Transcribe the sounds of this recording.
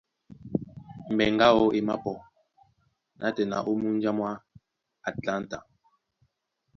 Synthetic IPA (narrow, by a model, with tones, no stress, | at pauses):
m̩˨bɛ˨ŋɡa˦ɔ˦e˨ma̰˦pɔ˨ | nʔa˦tɛ˨na̰˨ʔo˦mu˦n˦d͡ʒa˦mwa˦ | a˨tla˦n˦ta˨